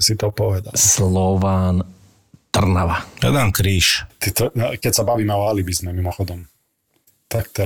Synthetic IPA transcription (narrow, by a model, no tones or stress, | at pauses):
sit̪ɔpɔʋɛd̪a̰slˠɔʋaːn | t̪r̩naʋaɾɛ̰d̪ankɾiːʃt̪it̪ɔkɛcsabaʋiːmavaːlibizmɛmimɔxɔd̪ɔm | t̪ak̚t̪ɛ